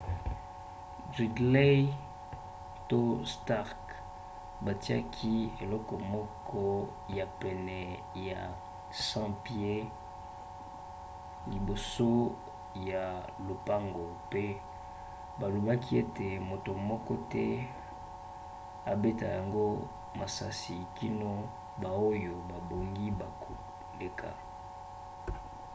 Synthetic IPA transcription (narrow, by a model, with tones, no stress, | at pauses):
dʁi˨dle˦ | to˦sta˦ʁk | ba˨ti˦a̰˦kʰi˦e˨lɔ˦kɔ˨mɔ˦kʰɔ˦ | ja˨pɛ˨nɛ˨ | ja˨ | sã˦pje˦ | li˨bo˨so˦ | ja˨lo˨pa˦ŋɡo˨pe˦ | ba˨lo˨ba˦kʰi˦e˦te˨mo˨to˨mɔ˦kɔ˦tɛ˦ | a˨be˦ta̰˨ja˨ŋɡo˦ | ma˨sa˦si˨ki˦no˦ | ba˨o˦jo˨ba˨bo˨ŋɡi˦ba˨ko˨ | le˦kʰa̰˨